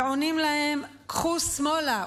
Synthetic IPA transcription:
ʕonimlahem | kχusmola

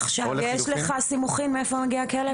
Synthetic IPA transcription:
χʃavjɛʃleχasimuχimmeefomaɡiakele

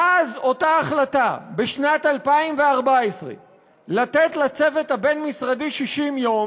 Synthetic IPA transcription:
ʔazo̞taːχlatabeʃnatalpaimveaʁbaesʁḛ | latetlat͡se̞ve̞thabe̞nmisʁadiʃiʃimjo̞m

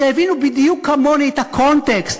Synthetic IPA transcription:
ɛvinubid̪iukʰːamɔnejt̪akʰɔnt̪ɛkst̪

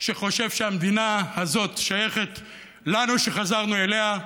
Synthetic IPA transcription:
ʃeχo̞ʃe̞vʃeamd̪inahazo̞t̪ʃaje̞χet̪ | lanuʃeχazaʁnuele̞ɦa

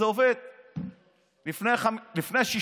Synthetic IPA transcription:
eoved̪̚ | lifnejaχamlifnejaʃi

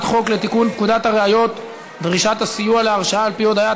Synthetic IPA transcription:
t̪χo̞kle̞t̪ikunpkud̪at̪aʁeajo̞t̪ | dʁiʃat̪hasijualeaʁʃaaːlpio̞d̪aja

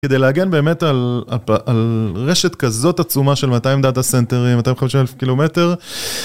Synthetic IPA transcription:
kede̞jleaɡe̞nbe̞ːme̞talaʔalʁe̞ʃetkazo̞tat͡sumaʃelmataimd̪atasente̞ʁimːat̪aimχamiʃimelefkilome̞te̞ʁ

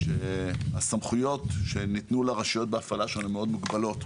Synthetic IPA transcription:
ʃeasamχujo̞t̪ʃenit̪nulaʁaʃijo̞t̪̚beafalaʃonemeo̞d̪muɡbalo̞t̪

